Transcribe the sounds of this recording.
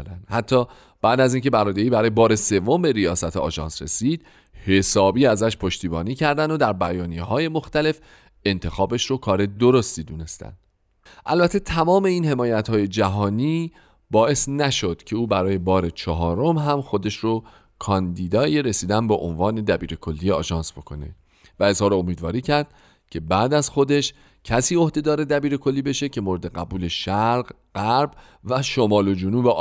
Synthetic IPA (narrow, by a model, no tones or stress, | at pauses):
d̪ænd̪̥hæt̪ʰːɒː | b̥æːd̪æziːnce̞bæɾɒːd̪eiːbæɾɒːjebɒːɾe̞se̞vːombe̞ɾijɒːsæt̪ʰeɒ̰ːʒɒ̰ːnsɾe̞̰siːd̪̥ | he̞sɒːbiːæzæʃpʰoʃt̪iːbɒːniːcʰæɾd̪ænd̪od̪æɾbæjɒːnijeɦɒːje̞moxt̪æle̞f | e̞nt̪ʰe̞xɒːbe̞ʃɾokʰɒːɾe̞d̪oɾost̪iːd̪uːne̞st̪æ̰nd̪̥ | ʔælbæt̪ʰːet̪ʰæmɒːme̞iːnhe̞mɒːjæt̪hɒːje̞d͡ʒæɦɒːniː | bɒːe̞snæʃo̞d̪̥cʰe̞uːbæɾɒːje̞bɒːɾe̞t͡ʃʰɒɦɒːɾo̞mɦæmxo̞d̪e̞ʃɾo | kʰɒnd̪iːd̪ɒːjeɾe̞siːd̪ænbeʔo̰nvɒːne̞d̪æbiːɾe̞kʰo̞lːiːjeɒ̰ːʒɒːnsb̥o̞kʰo̞ne̞̰ | væe̞zhɒːɾoomiːd̪vɒːɾiːcʰæɾd̪̥̚ | cʰe̞bæːd̪æzxo̞d̪e̞ʃ | cʰæsiːohd̪e̞d̪ɒːɾe̞d̪æbiːɾe̞kʰo̞lːiːbe̞ʃe̞cʰe̞moɾed̪e̞ɣæbuːle̞ʃæɾɢ | ɢæɾb | væʃomɒːlo̞d͡ʒonuːbe